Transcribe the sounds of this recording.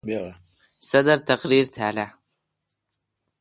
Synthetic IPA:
sɑd̪ɑɾˤt̪aqɾiːɾt̪ʰaːla

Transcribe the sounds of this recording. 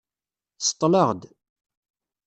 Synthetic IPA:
sə̥t̪ˤːləʁd̪

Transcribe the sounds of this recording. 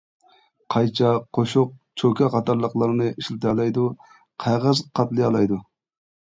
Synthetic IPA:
qʰɑjt͡ʃʰɑqʰoʃʊq̚t͡ʃʰokʲʰɛqɑt̪ʰɑɾlˠəqlˠɑɾnɨʔiʃlɪt̪ʰɑlˠɑjd̪u | qʰɑʁəzqʰɑt̪lˠɨjɑlˠɑjd̪u

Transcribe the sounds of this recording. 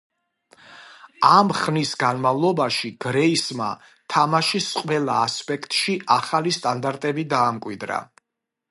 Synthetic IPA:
amχnisɡanmavlˠɔbaʃiɡ̥ɾɛisma̰ | t̪ʰamaʃisqʼwɛlˠaːspʼɛkʰt̪ʼʃiʔaχalist̪ʼand̪aɾt̪ʼɛbid̪aːmkʼwid̪ɾa̰

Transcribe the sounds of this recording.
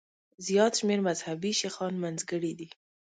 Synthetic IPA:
zijɑt̪ʃmeɾmazhabiʃexɑnmanzɡəɽid̪i

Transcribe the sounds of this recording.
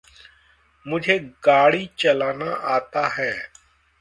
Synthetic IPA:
mʊd͡ʒʱeːɡaːɽiːt͡ʃəlaːnaːʔaːt̪aːɦɛː

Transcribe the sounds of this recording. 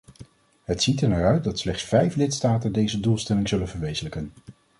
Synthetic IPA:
ɦətsitəɹnaɹœɥt̚dɑtslɛχtsfɛjflɪtstaːtəndejzədulˠstɛlɪŋzɵlənvəɹʋejzələkən

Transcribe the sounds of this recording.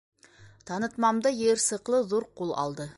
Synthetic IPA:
t̪ʰɑnət̪mɑmd̪əjeɾsəqlˠəzoɾqʰulˠɑ̰lˠd̪ə

